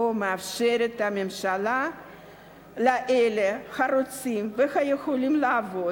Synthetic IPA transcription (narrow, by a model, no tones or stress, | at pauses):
omeafʃe̞ɾet̪ame̞mʃala | laʔelexaɾot͡simve̞xajexo̞limlaːvo̞